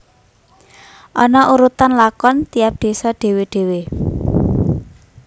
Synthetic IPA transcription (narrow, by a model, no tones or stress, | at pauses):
ʔɔnɔʔuɾut̪anlakɔnt̪iap̚d̪̥e̤sɔɖ̥e̤weɖ̥e̤we